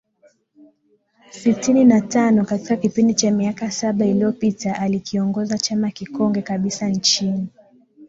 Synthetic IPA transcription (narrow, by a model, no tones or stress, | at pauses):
sitininatanɔkatikakipindit͡ʃamiakasaɓailiɔpitaʔalikʰiɔŋɡɔzat͡ʃamakikɔŋɡɛkaɓisant͡ʃini